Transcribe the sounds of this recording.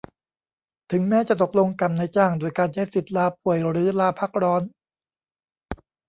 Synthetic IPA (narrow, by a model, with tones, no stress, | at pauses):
t̪ʰɯ˩˦ŋmɛː˦˥t͡ɕa˨˩t̪o˨˩k̚lo˧ŋka˨˩mna˧jt͡ɕaː˥˩ŋduː˧əjkaː˧nt͡ɕʰa˦˥jsi˨˩t̪̚laː˧pʰu˨˩əjɾɯː˩˦laː˧pʰa˦˥˩k̚ɾɔː˦˥n